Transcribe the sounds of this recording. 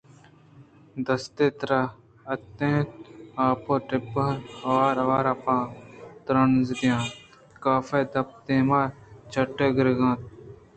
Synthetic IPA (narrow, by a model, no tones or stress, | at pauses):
d̪ɐst̪eːt̪ɾa | ɐt̪ːẽːtaːpoːʈɪbɐɐʋaːɾɐʋaːɾɐpãːt̪ɾɐnzɾjãːt̪ | kaːfed̪ɐp̚t̪eːmaːɾt͡ʃʰɐʈːeːɡɪɾɡãːt̪̚